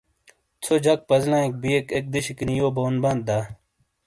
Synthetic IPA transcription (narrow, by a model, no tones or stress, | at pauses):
t͡sʰod͡ʑɐk̚pɐzlãːek̚bijekek̚d̪iɕikinijoːboːnbɐnd̪̚d̪aː